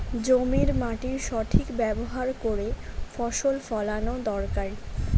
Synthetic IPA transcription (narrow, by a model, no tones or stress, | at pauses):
d͡ʑomiɾmaʈiɾʃɔʈʰikbɛboɦaɾkoɾefɔʃolfɔlanod̪ɔɾkaɾ